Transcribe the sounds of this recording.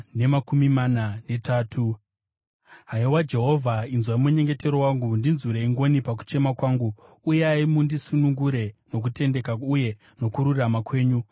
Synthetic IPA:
ne̞makumimanane̞taːtʰu | ɦaiwad͡ʒe̞ɦo̞vʱainzwaimuɲe̞ŋɡe̞te̞ɾowaŋɡundinzuɾeiŋɡo̞nipak̬u̥t͡ʃe̞makwaːŋɡuː | jeaimundisunuŋɡuɾe̞no̞k̬ute̞nde̞kauje̞ | no̞kuɾuramakwe̞ːɲu

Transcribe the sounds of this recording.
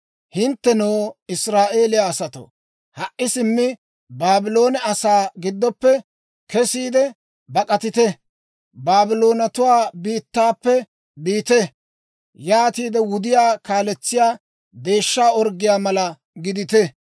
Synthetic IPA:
hɪnt̪ːɛnoːɪsɾaːʔe̞ːlɪjaːsɐt̪o̰ | hɐʔʔːɪsɪmːɪ | baːbɪlo̞ːnɛɐsaːɡɪd̪ːɔpːɛ | kɛsiːd̪ɛ | bɐkʼɐt̪ɪt̪ɛ | baːbɪlo̞ːnɐt̪ʊwaːbiːt̪ːaːpːɛ | biːt̪ɛ | jaːt̪iːd̪ɛwʊd̪ɪjaːkaːlɛt͡sːɪjaː | d̪e̞ːʃːaːɔɾɡɪjaːmɐlɐ | ɡɪd̪ɪt̪ɛ

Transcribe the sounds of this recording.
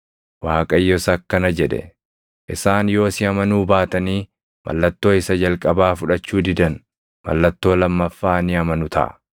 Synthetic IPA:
waːkʼɐjːɔsɐkːɐnɐd͡ʒɛᶑɛ̰ | ʔɪsaːnjo̞ːsɪɐmɐnuːbaːt̪ɐniː | mʔɐ̰lːɐt̪ːo̞ːɪsɐd͡ʒɐlkʼɐbaːfʊᶑɐt͡ʃːuːd̪ɪd̪ɐn | mɐ̰lːɐt̪ːo̞ːlɐmːɐfːaːnɪɐmɐnʊt̪ʰɐ̰ʔɐ̰

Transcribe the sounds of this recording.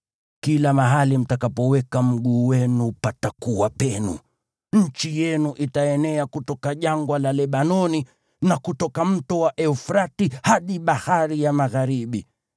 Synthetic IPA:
kilamaɦalim̩takapɔwɛkam̩ɠuːwɛnupatakuwapɛnṵ | ɲ̩t͡ʃijɛnuʔitaɛnɛakutɔkaʄaŋɡwalalɛɓanɔni | nakutɔkam̩tɔwaʔɛufɾatihaɗiɓahaɾijamaɣaɾiɓi

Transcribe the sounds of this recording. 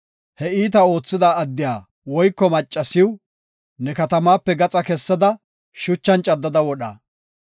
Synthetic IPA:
hɛiːt̪ɐo̞ːt͡sːɪd̪aːd̪ːɪjaː | wɔjkːɔmɐt͡ʃʼːɐsɪw | nɛkɐt̪ɐmaːpːɛɡɐt͡sʼɐkɛsːɐd̪ɐ | ʃʊt͡ʃːɐnt͡ʃʼɐd̪ːɐd̪ɐwɔɗɐ̰

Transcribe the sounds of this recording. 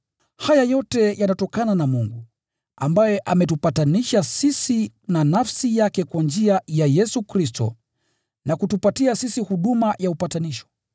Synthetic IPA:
hajajɔtɛjanatɔkananamuŋɡu | ambajɛʔamɛtupataniʃasisinanafsijakɛkwand͡ʒiajajɛsukɾistɔ̰ | nakutupatiasisihuɗumajaupataniʃɔ̥

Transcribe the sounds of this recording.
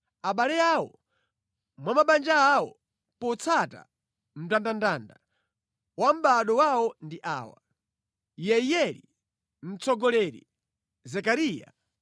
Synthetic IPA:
aɓalɛawɔ | mwamaɓand͡ʒaːwɔ | pɔt͡sʰata̰ | m̩tandandaːnda | wam̩ɓaɗɔwawɔndiʔa̰ːwa̰ | jɛijɛlḭ | m̩t͡sɔɡɔlɛɾḭ | zɛkaɾiːja̰

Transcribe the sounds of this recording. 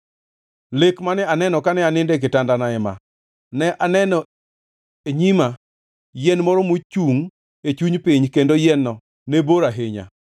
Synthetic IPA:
lekmanɛanɛnɔkanɛanɪndɛk̬ɪtandanaɛma̰ | nɛʔanɛnɔ | eɲima | jɛnmɔɾɔmot͡ʃuŋ | et͡ʃuɲpɪɲkendojɛnːɔ | neboɾaɦeɲa̰

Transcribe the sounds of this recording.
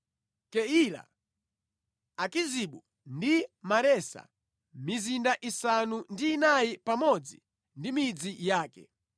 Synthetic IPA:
kɛila̰ | akiziɓu | ndimaɾɛsa̰ | mizindaʔisanundiːnajipamɔd͡zi | ndimid͡zijaːkɛ̰

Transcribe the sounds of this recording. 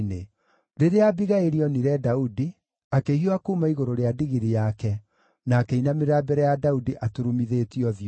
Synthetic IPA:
ne | ɾeɾeabiɣaeɾiɔniɾɛdaudi | akeɦioakumaiɣoɾoɾeadiɣiɾijakɛ | naːkɛinameɾabɛɾɛjadaudiʔatoɾumiðetiɔðj

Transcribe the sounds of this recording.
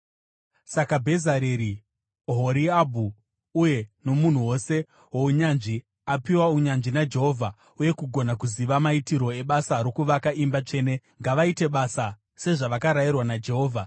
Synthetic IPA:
sakabʱe̞zaɾeɾi | ɦo̞ɾiabʱu | uje̞no̞mun̤uwo̞se̞ | wouɲanʐi | apiwauɲanʐinad͡ʒe̞ɦo̞vʱa | uje̞kuɡʱo̞nakuziʋamaitiɾo̞e̞ɓasaɾo̞kuʋakaʔimbat͡ʂe̞ːne̞ | ŋɡaʋaite̞ɓasa | se̞ʐaʋakaɾajirwanad͡ʒe̞ɦo̞ːvʱa

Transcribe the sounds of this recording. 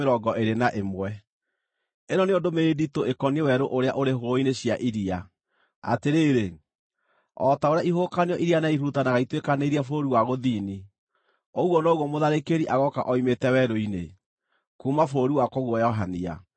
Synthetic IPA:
eɾɔɡɔʔeɾenaʔemwɛ | eɾɔneondomeeditoekɔniewɛɾoʔoɾeaʔoɾeɦooineɕjaʔiɾia | a̰teɾeːɾe | ɔtaoɾeaiɦoːkaneɔʔiɾianaiɾuutanaɣaitwekaneɾiafoɾiwaɣoðiːni | oɣwɔnɔɣwɔmoðaɾekeɾiʔaɣɔkaʔɔimetɛwɛɾoine | kumafoɾiwakɔɣwɔjɔɦania̰

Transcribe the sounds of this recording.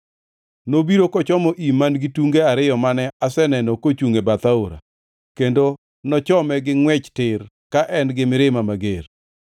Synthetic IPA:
nobiɾokɔt͡ʃɔmɔʔimanɡɪtuŋɡeaɾɪjɔmanɛasɛnɛnɔkot͡ʃuŋebat̪aoɾa̰ | kendo | nɔt͡ʃɔmɛɡɪŋwɛt͡ʃtɪɾ | kaʔɛnɡɪmɪɾɪmamaɡeɾ

